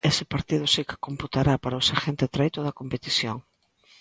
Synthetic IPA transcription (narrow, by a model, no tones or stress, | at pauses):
esɪpaɾt̪ið̞ʊsikɪ̥komput̪aɾapaɾɐosaʃent̪ɪt̪ɾajt̪oðɐkompet̪iθjo̰ŋ